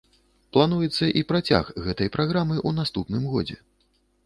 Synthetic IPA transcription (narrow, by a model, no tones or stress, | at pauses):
plˠanujɛt̪sːɐʔipɾat͡sʲa̰xɣɛt̪ɐjpɾaɣɾamɨʔunast̪upnɨmɣɔ̰d͡zʲɛ̰